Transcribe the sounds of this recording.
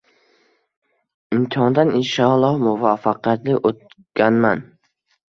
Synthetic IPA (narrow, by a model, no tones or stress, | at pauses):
ɪmt̪ʰɪɦɒnd̪anɪnʃɒlˠːɒhmʊvɑfɑqʰjat̪lɪʔot̪̚kʲanman